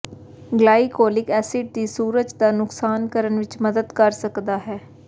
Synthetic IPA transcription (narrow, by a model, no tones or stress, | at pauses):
ɡlaːiːkoːlɪkɛːsɪɖ̚d̪iːsuːɾəd͡ʒd̪aːnʊksaːnkəɾənʋɪt͡ʃməd̪əd̪kəɾsəkd̪aːɦɛː